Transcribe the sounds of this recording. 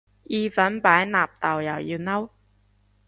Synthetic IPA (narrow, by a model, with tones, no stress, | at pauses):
ʔi˧fə˨˥npaː˨˥jnaː˨˩p̚t̪a˨˩wja˨˩wʔi˧wna˥w